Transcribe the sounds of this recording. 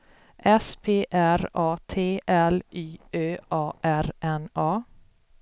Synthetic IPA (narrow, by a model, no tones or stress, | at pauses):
ʔɛspʰeːʔæɾɑːt̪ʰeːʔɛlʔyːøːʔɑːʔæɾʔɛnɑː